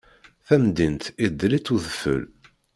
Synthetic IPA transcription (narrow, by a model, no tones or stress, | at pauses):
θæmd̪int̪id̪ːlit͡sːuðəfə̰l